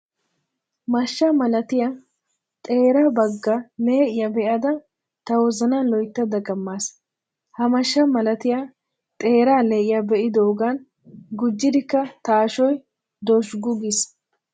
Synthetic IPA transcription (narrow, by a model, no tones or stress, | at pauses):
mɐʃːɐmɐlɐt̪ɪja | t̪ʼe̞ːɾaːbɐɡːɐne̞ːʔɪjɐbɛʔɐd̪ɐ | t̪ɐwɔzɐnalɔjt̪ːɐd̪ɐɡɐmːaːs | hɐmɐʃːɐmɐlɐt̪ɪja | t̪ʼe̞ːɾaːneːʔɪjabɛʔɪd̪oːɡan | ɡʊd͡ʒːɪd̪ɪkːɐt̪aːʃɔj | d̪ɔʃɡʊɡɪs